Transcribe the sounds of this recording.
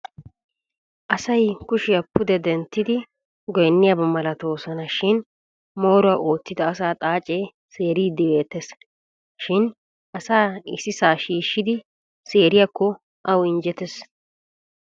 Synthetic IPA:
ʔɐsɐjkʊʃɪjɐpːʊd̪ɛd̪ɛnt̪ːɪd̪ɪ | ɡɔjnːɪjɐbɐmɐlɐt̪o̞ːsɐnɐʃɪn | mo̞ːɾʊɐʔoːt͡sːɪd̪ɐːsaːt̪ʼaːt͡ʃʼe̞ː | seːɾiːd̪ːɪbe̞ːt̪ːɛs | ʃɪn | ʔɐsaːɪsɪsaːʃiːʃːɪd̪ɪ | se̞ːɾɪjɐkːɔ | ʔɐwɪnd͡ʒɛt̪ɛs

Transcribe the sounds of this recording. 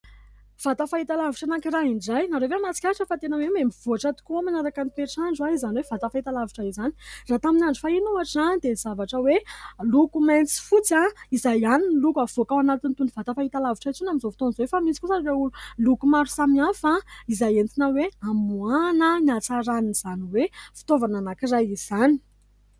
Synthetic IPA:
v̥at̪afaɦit̪alaviʈ͡ʂanakiɾaɦiɳɖ͡ʐajnaɾovemat͡si̥kʲaaʈ͡ʂəfat̪enəwememiv̥oaʈ͡ʂat̪u̥kuamanaɾakanip̪eʈ͡ʂaɳɖ͡ʐuwaizaniwev̥at̪afaɦit̪alaviʈ͡ʂaizani̥rat̪aminaɳɖ͡ʐufainuaʈ͡ʂizanid̪ez̥avaʈ͡ʂəwelukument͡si̥fut͡saizajaninlukav̥okawanat̪int̪univat̪afait̪alaviʈ͡ʂait͡sunamizofi̥t̪onzowefamisi̥kusareululukumaɾusamiafaizajent̪inaweamuanəniat͡saɾaniniz̥aniwefi̥t̪ovananakirajiz̥ani̥

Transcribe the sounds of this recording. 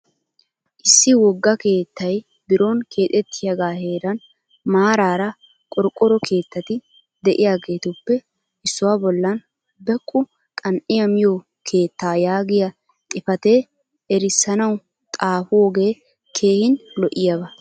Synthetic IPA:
ʔɪsːɪwɔɡːɐke̞ːt̪ːɐj | bɪɾoːnkʰe̞ːt̪ʼɛt̪ʰːɪjɐɡaːheːɾɐn | maːɾaːɾɐ | kʼɔɾkʼːɔɾɔkʰe̞ːt̪ːɐt̪ɪ | d̪ɛʔɪjaːɡe̞ːt̪ʊpːɛ | ɪsːʊwaːbɔlːɐn | bɛkʼːʊ | kʼɐnʔɪjɐmɪjo | kʰe̞ːt̪ːaːjaːɡɪjɐ | t̪ʼɪfɐt̪e | ɛɾɪsːɐnɐw | t̪ʼaːfʊwɔɡe̞ː | kʰe̞ːhɪnlɔʔɪjabɐ

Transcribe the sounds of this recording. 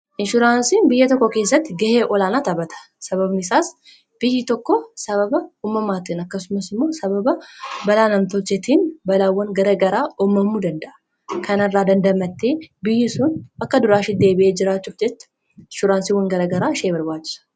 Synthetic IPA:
ʔɪnʃʊɾaːnsiːnbɪjːɐt̪ɔkːɔke̞ːs̬ːɐt̪ːɪɡɐheːʔɔlaːnaːt̪ɐbɐt̪ʰɐ̥ | sɐβɐbnɪsaːs | b̥ɪjːɪt̪ɔkːɔsɐβɐbɐuːmːɐmaːt̪iːnɐkːɐsʊmɐsɪmːo̞ːsɐbɐbɐbɐlaːnɐmt̪ɔt͡ʃːɛt̪iːnbɐlaːwːɐŋɡɐɾɐɡɐɾaːɔmːɐmːuːd̪ɐnd̪ɐʔɐ̥ | kɐnɐrːaːd̪ɐnd̪ɐmɐt̪ːeːbɪjːɪsʊːnɐkːɐd̪ʊɾaːʃɪd̪e̞ːbɪʔeːd͡ʒɪɾaːt͡ʃːuːfd͡ʒɛt͡ʃːɐ̥ | ʃʊɾaːnsiwɐŋɡɐɾɐɡɐɾaːʃeːbɐɾbaːt͡ʃːɪ̥sɐ̥

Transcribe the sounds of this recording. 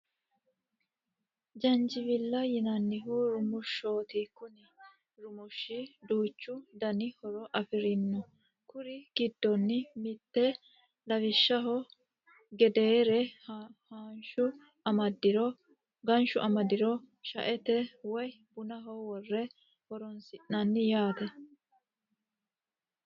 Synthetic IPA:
d͡ʒɐnd͡ʒɪvɪlːɐjɪnɐnːɪɦuɾʊmʊʃo̞ːt̪ɪkːʊnɪ | ɾʊmʊʃːɪd̪uːt͡ʃːʊd̪ɐnɪhɔɾɔʔɐfɪɾɪnːɔ | kʊɾɪɡ̥ɪd̪ːɔnːɪmɪt̪ːɛ | lɐʋɪʃːɐɦɔ | ɡɛd̪eːɾɛhaːnʃʊ | ɐmɐd̪ɪɾɔ | ɡɐnʃʊʔɐmɐd̪ɪɾɔ | ʃɐ̰ʔɛt̪ɛwɔjbʊnɐɦɔwɔrːɛ | hɔɾɔnsɪʔnɐnːɪjaːt̪ɛ

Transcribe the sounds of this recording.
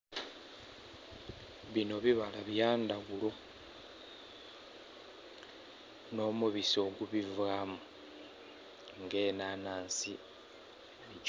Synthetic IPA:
βino̞βiβalaβjaːndaɣulo̞ | no̞ːmuβiso̞ɡuβivaːmu | ŋɡe̞ːnaːnaːnsi | i

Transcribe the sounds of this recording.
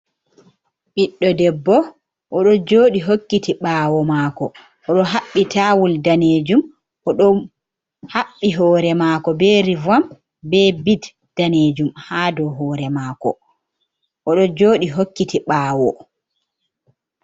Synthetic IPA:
ɓiɗːɔdɛbːɔ | ʔɔɗɔd͡ʒoːɗiɦokːitiɓaːwɔmaːkɔː | ɗɔɦaɓːitʰawuldaneːd͡ʒum | ʔɔɗɔ | haɓːiɦɔːɾɛmakɔbɛɾivam | bɛbid | d̥aneːd͡ʒumhaːdɔɦɔːɾɛmaːkɔ̰ | ʔɔɗɔd͡ʒoːɗiɦokːitiɓaːwɔ

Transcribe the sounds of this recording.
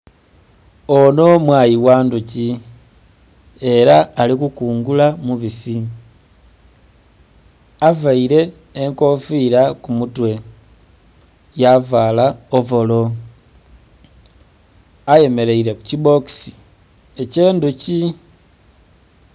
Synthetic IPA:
o̞no̞mwaːjiwaːnduci | e̞ɾaːlikukuːŋɡulamuβisi | avaiɾe̞ː | ŋko̞fiɾakumutwe̞ | javalaovo̞lo̞ | aje̞me̞ɾe̞iɾe̞ku̥ciβo̞ksi̥ | eceːnduci

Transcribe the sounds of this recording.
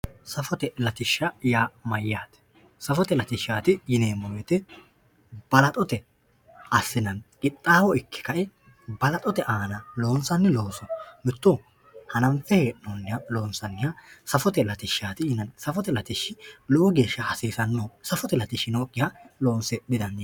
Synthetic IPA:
sɐfɔt̪ɛlɐt̪ɪʃːɐjaːmɐjːaːt̪ɛ̥ | sɐfɔt̪ɛlɐt̪ɪʃːaːt̪ɪjɪneːmɔwɛt̪ɛ | b̥ɐlɐt̪ʼɔt̪ɛ | ɐsːɪnɐnkʼɪt̪ʼːaːwɔɪkːɪ̥kɐʔɪ | bɐlɐt̪ʼɔt̪ɛʔaːnɐlo̞ːnsɐnːɪloːnsɔmʊt̪ːo | hɐnɐmfɛheːʔnonːɪjalo̞ːnsɐnːɪjasɐfɔt̪ɛlɐt̪ɪʃːaːt̪ɪjɪnɐnsɐfɔt̪ɛlɐt̪ɪʃːɪlɔʔɔɡe̞ːʃːɐhɐsiːsɐnːoːsɐfɔt̪ɛlɐt̪ɪʃɪnoːkʼːɪhɐlo̞ːnsɛd̪ɪd̪ɐnː

